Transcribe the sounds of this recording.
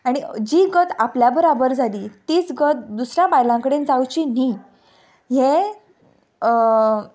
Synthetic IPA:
aɽ̃id͡ʑiːɡət̪apljabəɾabəɾd͡zaliːt̪iːt͡sɡət̪̚d̪usɾjãbajlãŋkəɽẽnd͡zawt͡ɕiːni | ɦe

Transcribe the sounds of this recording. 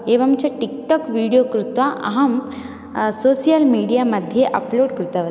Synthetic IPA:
eːʋɐmt͡ɕɐʈikʈɔkʋiːɽijoːkɾut̪ʋaʔɐ̰ɦɐm | soːsijalmiːɽijamɐd̪ʱjeʔɐploːɽkɾut̪ɐʋɐ

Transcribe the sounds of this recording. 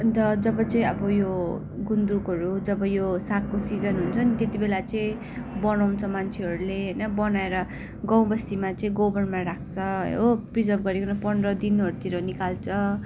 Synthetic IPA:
d̪ʌd͡zʌbʌt͡sʌĩʌbʌjo | ɡund̪ukɦʌɾud͡zʌbʌjosakːosid͡zʌnɦunt͡sʰʌnit̪et̪ibelat͡sʌĩ | bʌnaw̃t͡sʰʌmant͡sʰeɦʌɾuleɦʌjnʌbʌnaeɾʌ | ɡãw̃bʌst̪imat͡sʌĩɡobʌnmaɾak̚ʰt͡sʰʌ̰oprid͡zʌrpʰɡʌɾekonʌpʌɳrʌd̪inɦʌɾut̪ʰiɾʌnikalt͡sʰʌ

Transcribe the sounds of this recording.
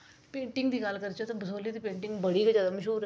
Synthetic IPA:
pẽːɳʈɪŋɡd̪iːɡalkəɾt͡ʃot̪abəsoːliːd̪iːpẽːɳʈɪŋɡbəɽiːɡəd͡ʒaːd̪aməʃuːɾ

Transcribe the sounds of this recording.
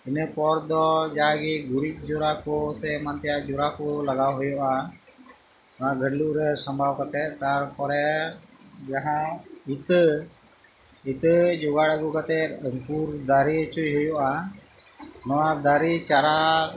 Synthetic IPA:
inɛpɔɾd̪ɔd͡ʒaɡiɡuɾit̪̚ˀd͡ʒuɾakɔsɛmant̪ɛjaʔd͡ʒuɾakɔlaɡawɦujɔʔa | nɔwaɡʱəɖluʔɾɛsəmbʱawkat̪ɛt̪̚t̪aɾpɔɾɛ | d͡ʒaɦãit̪ | it̪d͡ʒɔɡaɽaɡukat̪ɛʔ̪əŋpuɾd̪aɾit͡ʃujɦujɔʔa | nɔwad̪aɾit͡ʃaɾa

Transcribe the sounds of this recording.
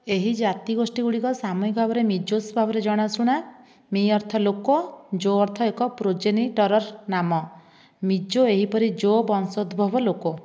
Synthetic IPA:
eɦid͡ʒat̪iɡosʈiɡuɽikɔsamɔnikɔbʱabɔɾemid͡ʒosbʱabɔɾed͡ʒɔɽ̃asuɽ̃a | miɔɾt̪ʰɔlokɔd͡ʒoɔɾt̪ʰɔekɔpɾod͡ʒeniʈɔɾɔɾnamɔ | mid͡ʒoeɦipɔɾid͡ʒobɔnsod̪ʱbʱɔbɔloko

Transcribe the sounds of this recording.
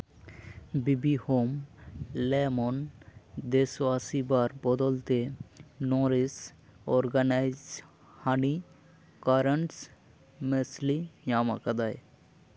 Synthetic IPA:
bibihomlemond̪eswasibaɾbɔd̪ɔlt̪enɔɾisɔɾɡanajz | hani | kaɾəɳʈs | meslijama̰kad̪aj

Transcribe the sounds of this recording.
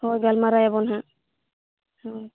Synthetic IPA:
hojɡalmaɾajabɔnɦã | hoj

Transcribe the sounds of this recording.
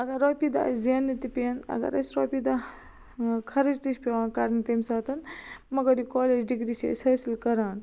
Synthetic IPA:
ɐɡɐɾoːpid̪a̰ziɐnːit̪ipiɐnɐ̰ɡɐ̰ɾɐ̰sɾoːpid̪a | kʰɐɾid͡ʒt̪it͡ʃʰpeʋãːkaɾnit̪emsaːt̪ɐnmɐɡɐɾikoːleːd͡ʒɖiɡɾit͡ʃʰḛsʲhɐːsilkɐɾaːn

